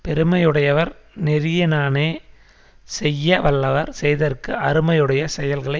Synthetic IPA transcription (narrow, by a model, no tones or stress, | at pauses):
pɛɾɯmɐjɯɽɐjɐʋɐɾnɪɾɪjɐnaːneː | sɛjːɐʋɐɭːɐʋɐɾsɛjðɐrkɯʔɐɾɯmɐjɯɽɐjɐsɛjɐlɣɐɭɐ